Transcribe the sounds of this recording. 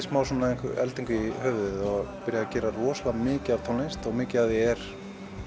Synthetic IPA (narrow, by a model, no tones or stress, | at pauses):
smaːwsɔnːaejŋkɪɛlt̪iŋkɪihœːvʏɪðɔɣpɪɾjacɛːɾarɔːslamɪːcɪat̪ʰawlejnst̪ɔɣmɪːcɪaðɛɛɾ̥